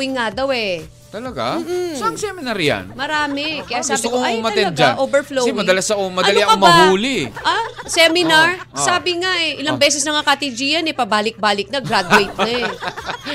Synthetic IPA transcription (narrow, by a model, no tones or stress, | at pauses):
ɪŋad̪ɐwɛ | t̪ɐlɐɡa̰saɐŋsɛmɪnɐɾja̰nmɐɾaːmɛkɐjasɡsːsbtɪokoʊmɐt̪ɛnd̪̚d͡ʒa̰nʔoːbɛɹflomɐd̪ɐlɐsɐʔomɐd̪ɐliɐkomɐɦuːlɪʔasɛmɪnaɹsaːbɪŋaʔɛʔɪlɐbɛːs̬ɛsnɐŋakat̪id͡ʒijɐnɛpɐbaːlɪk̚baːlɪk̚nɐɡɾad̪ɛjt̪̚ɐɛ